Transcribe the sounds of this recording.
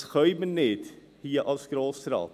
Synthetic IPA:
xœʏmənːet̪ | hiːəʔɑskɾɑːfst̪ɾɑ̰ː

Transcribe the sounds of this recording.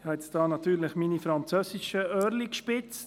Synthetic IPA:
hɑɛt͡sd̥ɑːnɑt̪yːɾlɪχminifɾɑnt͡søːsiʃəœːɾlikʃpɪt͡st

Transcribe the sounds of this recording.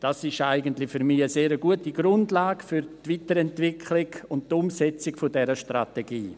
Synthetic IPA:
d̥asɪʃaɪɡəntlɪfyɾmiəseːɾəɡuətiɡɾʊndlaːɡfyɾtviːtəɾɛntvɪkʰlɪɡʊnttʊmsɛt͡sɪkfodɛɾəʃtra̰teɡiː

